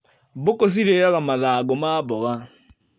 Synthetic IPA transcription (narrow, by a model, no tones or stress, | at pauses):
bʊkos̬iɾeɾaɣamaðaɡɔmabɔɣa